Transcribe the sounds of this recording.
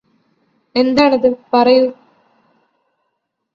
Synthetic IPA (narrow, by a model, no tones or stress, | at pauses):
ɛnd̪aːnɐðɯpɐrɐjɯ